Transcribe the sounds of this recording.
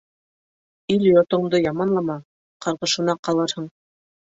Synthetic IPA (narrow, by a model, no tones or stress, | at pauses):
iljot̪ŏmd̪ɤjɑmɑnlˠɑmɑ | qɑɾʁɤ̆ʃɤ̆nɑqɑlˠɤɾhɤɴ